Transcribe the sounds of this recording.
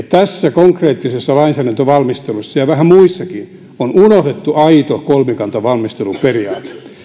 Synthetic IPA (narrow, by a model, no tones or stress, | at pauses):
t̪æsːækoŋkreːt̪ːisesːɑlɑinsæːɾænt̪øʋɑlmist̪elusːɑjɑʋæhæmuisːɑki | onunohd̪et̪ːuʔɑit̪okolmekɑnt̪ɑʋɑlmist̪elumperiɑːt̪e̥